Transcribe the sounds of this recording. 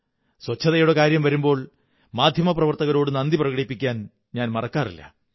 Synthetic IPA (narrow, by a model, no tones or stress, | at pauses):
swɐt͡ɕʰːɐðɐjuɽekaːɾjɐmʋɐɾumbo̞ːɭ | maːd̪ʱjɐmɐprɐʋɐrt̪ɐɣɐɾo̞ːɽɨnɐnd̪iprɐɣɐɽipːikʲːaːn | ɲaːnmɐrɐkːaːrilːɐ̰